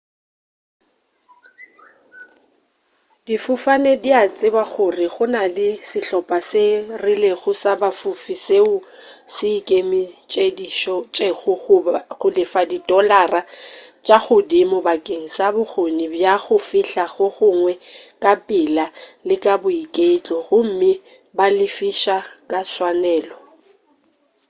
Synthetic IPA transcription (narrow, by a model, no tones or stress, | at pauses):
d̥ifʊfanediat͡sʼɪbaɣʊrɪɣʊnalɪsɪɬɔpʼasɪrɪleɣʊsabafufiseʊsɪːkʼemɪt͡ʃʼediʃɔt͡ʃʼeɣʊʊɣʊlɪfadidʼɔlarat͡ʃʼaɣʊdimʊbakʼeŋ̩sabʊɣonibjaɣʊfiɬaɣʊɣʊŋwɛkʼapʼɪlalɪkʼabʊikʼeɪt͡ɬʼɔɣʊm̩mɪ | balɪfiʃakʼaswanɛːlɔ